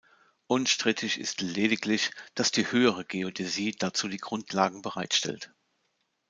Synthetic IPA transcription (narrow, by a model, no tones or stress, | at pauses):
ʔʊnʃtʁ̥ɪtʰɪçɪ̰stleːdɪklɪçd̥asd̥iːhøːəʁəɡeotʰeziːd̥at͡suːdiːɡʁʊntʰlaːɡŋ̩bəʁaɪtʃtɛ̰lt